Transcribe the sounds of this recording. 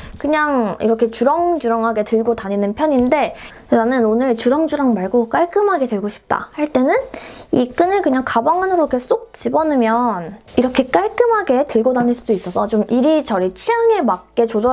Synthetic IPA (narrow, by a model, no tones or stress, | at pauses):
kɯɲaŋḭɾʌkʰe̞t͡ɕuɾʌŋd͡ʑuɾʌŋɦaɡe̞tɯɭɡotaɲinɯnpʰjʌɲinde̞ | nanɯnonɯɭt͡ɕuɾʌŋd͡ʑuɾaŋmaɭɡok͈aɭk͈ɯmɦaɡe̞deɭɡoɕʰi̥p̚t͈a̰haɭt͈e̞nɯnik͈ɯnɯɭkɯɲaŋkabaŋanɯɾokʰes͈ok̚t͡ɕibʌnɯmjʌniɾʌkʰe̞k͈aɭk͈ɯmɦaɡe̞tɯɭɡodaɲiɭs͈udois͈ʌsʰʌt͡ɕomʔiɾit͡ɕʌɾit͡ɕʰiaŋe̞mak̚k͈e̞t͡ɕod͡ʑʌ